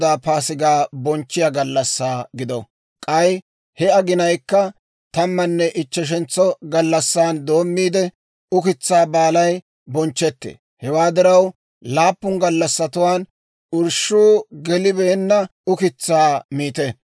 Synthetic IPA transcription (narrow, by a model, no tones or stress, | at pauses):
d̪aːpaːsɪɡaːbɔnt͡ʃːɪjaɡɐlːɐsːaːɡɪd̪ɔ | kʼɐj | hɛɐɡɪnɐjkːɐ | t̪ɐmːɐnːɛʔɪt͡ʃːɛʃ̬ɛnt͡sːɔɡɐlːɐsːaːnd̪o̞ːmːiːd̪ɛ | ʊkɪt͡sːaːbaːlɐj | bɔnt͡ʃːɛt̪ːḛː | hɛwaːd̪ɪɾɐw | laːpːʊŋɡɐlːɐsːɐt̪ʊwaːn | ʊɾʃuːɡɛlɪbeːnːɐʊkɪt͡sːaːmiːt̪ɛ